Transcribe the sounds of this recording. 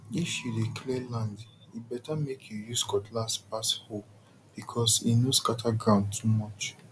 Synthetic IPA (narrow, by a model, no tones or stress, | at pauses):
iʃilikʰlɛlãnd | ibɛtamekʰjujuskɔtʰlaspasho | b̥ikʰɔsinoskatʰaɡɹãʊ̃ntʰumɔt͡ʃ